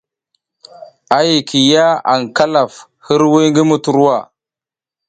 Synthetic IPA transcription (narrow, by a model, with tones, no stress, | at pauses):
a˨ji˨kʰi˨ja˦a̰˨ŋka˦la˨f | hi˦ɾwi˦jŋɡi˦mu˨tu˨ɾu˦wa˦˨